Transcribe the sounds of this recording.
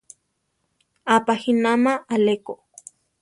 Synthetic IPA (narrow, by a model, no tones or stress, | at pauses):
apahinamaːleko